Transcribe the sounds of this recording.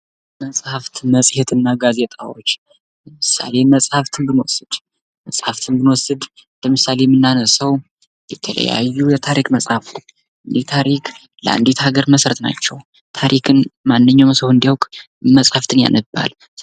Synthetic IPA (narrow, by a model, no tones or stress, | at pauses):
məsʼhaft̪ʰməsʼhet̪ɨnːaɡaze̞t̪ʼawo̞t͡ʃː | ləmɨsa̰le̞məsʼhaft̪ʰɨnbɨnwɔ̰sɨd̪̥ | məsʼhaft̪ʰɨnbɨnwɔsɨd̪ləmɨsale̞mɨnːanəsəw | jɛt̪ʰələ̰ja̰jːujɛt̪ʰaɾikməsʼhafu | ʔɨnd̪it̪ʰaɾikʰ | ləʔa̰nd̪it̪ʰaɡəɾməsɾət̪na̰t͡ʃːɛw | t̪ʰaɾʔikʰɨnmanːɨɲːawmsəwɨnd̪iwkʼ | məsʼhaft̪ʰɨnja̰nəbːa̰l